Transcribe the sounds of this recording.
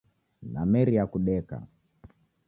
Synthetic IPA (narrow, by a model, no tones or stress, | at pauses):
namɛɾiakuɗɛka̰